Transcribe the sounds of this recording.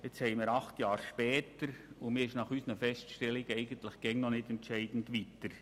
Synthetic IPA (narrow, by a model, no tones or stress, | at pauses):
et͡shɛɪmɪːɾɑχtjɑːɾʃpɛːtəɾʊmɪːɪʃnɑχysənəfɛstʃtɛlɪɡəɛɪɡəntlɪχɡ̥ɛŋnɔnɪtɛntt͡ʃɛɪd̥n̩dʋitəɾ